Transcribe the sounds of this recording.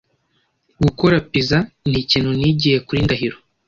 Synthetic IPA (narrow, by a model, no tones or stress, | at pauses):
ɡukoɾapizanhiciːn̥huniɟihe̞kuɾindaɦiɾo